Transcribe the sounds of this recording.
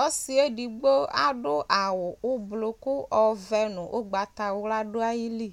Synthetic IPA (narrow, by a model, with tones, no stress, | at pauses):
ɔ˦si˨e˦ɖi˨ɡ͡bo˦a̰˦ɖʊ˦ʔa˨wʊ˨ʊ˦blo˨kʊ˦ɔ˨vɛ˦nʊ̃˨ʔo̰˦ɡ͡ba˨t̪a˨wʊ˦la˦ɖʊ˦a˦ji˦li˦˨